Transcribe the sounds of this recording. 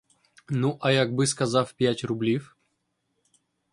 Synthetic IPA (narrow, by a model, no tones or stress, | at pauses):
nuʔɐjaɡ̚bɨskɐzafpʲætʲrʊblʲif